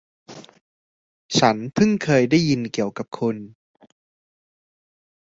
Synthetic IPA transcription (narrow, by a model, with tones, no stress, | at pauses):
t͡ɕʰa˦˥nt̪ʰɯ˥˩ŋkʰɤː˧jda˥˩jːi˧nki˨˩əwka˨˩p̚kʰo˧n